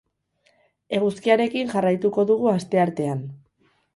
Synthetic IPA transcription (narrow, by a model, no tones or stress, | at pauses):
e̞ɣ̞uskiaɾe̞kiŋʝarajt̪uko̞ðuɣuast̪e̞aɾt̪e̞an